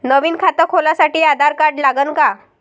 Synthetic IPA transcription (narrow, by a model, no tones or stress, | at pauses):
nəʋiːnkʰat̪əkʰɦolasaʈiːad̪ʱaɾkaɾʈlaɡənka